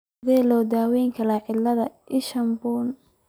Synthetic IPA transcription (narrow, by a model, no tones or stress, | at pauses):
ðɛːlɔːd̪aːwɛjŋkʰɐlaːʕɪlɐðɐʔɪʃɐmbuːn